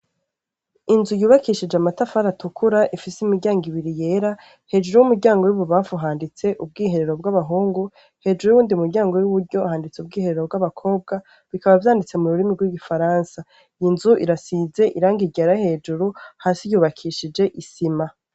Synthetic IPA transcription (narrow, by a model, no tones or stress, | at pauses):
inzujuːβakiʃid͡ʒeamatafaɾatukʰuɾaʔifisimiɾɟaːŋɡiβiɾije̞ːɾa | he̞ːd͡ʒuɾujumuɾɟaːŋɡo̞juβuβaːfuɦaːndit͡se̞ʔub̚ɡiːɦe̞ɾe̞ɾo̞bɡwaβaɦuːŋɡu | he̞ːd͡ʒuɾujuuːndiumuɾɟaːŋɡo̞juβuɾɟo̞aɦaːndit͡seubɡiːhe̞ɾe̞ɾo̞bɡwaβakʰo̞ːb̚ɡa | βikaβavjaːndit͡se̞muɾuɾimiɡwiɡifaɾaːnsa | inzuʔiɾasiːze̞ʔiɾaːŋɡiɟaɾahe̞ːd͡ʒuɾuhaːsijuːβakʰiʃid͡ʒe̞ʔisima